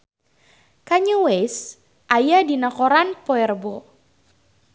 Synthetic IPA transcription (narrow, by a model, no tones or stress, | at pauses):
kaɲuwes | ʔajadinakoɾanpɔɛrbɔ